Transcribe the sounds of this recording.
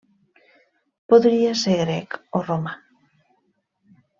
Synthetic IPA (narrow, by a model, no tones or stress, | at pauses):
poðɾiaseɣɾɛkoroma